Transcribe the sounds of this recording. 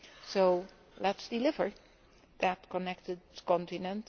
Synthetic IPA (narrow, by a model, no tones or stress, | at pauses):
soʊ | lɛtsd̥ɪlɪvə˞ | ðætkʰɔnɛk̚tɨd̚kɔ̃ntɪnə̃nt